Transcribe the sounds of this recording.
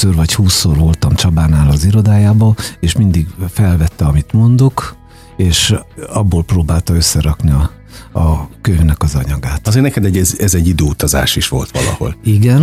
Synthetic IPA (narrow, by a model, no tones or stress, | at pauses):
oːrvɒchuːsːorvo̞lt̪ɒmt͡ʃɒbaːnaːlɒziɾo̞d̪aːjaːbɒeːʃmind̪iɡfɛlvɛt̪ːɛɒmit̪mo̞nd̪o̞k | eːʃɒbːoːlproːbaːlt̪ɒøsːɛɾɒkniɒ | ɒkøvnɛkɒzɒɲɒɡaːt̪ɒzeːɾnɛkɛd̪ɛɟːɛzɛzɛɟːid̪øːut̪ɒza̰ːʃiʃʋo̞̰lt̪ʋɒ̰lɒ̰ho̞̰liɡɛn